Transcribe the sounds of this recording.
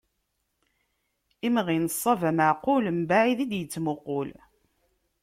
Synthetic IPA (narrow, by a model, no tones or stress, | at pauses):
imʁinəsˤːɑvæməʕqʊləmbaʕiðid̪jət͡sːmʊqʊl